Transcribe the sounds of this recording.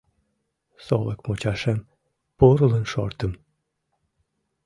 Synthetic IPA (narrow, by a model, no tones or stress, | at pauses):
so̰lˠəkmot͡ɕɑʃem | puɾələnʃo̰rt̪ə̆m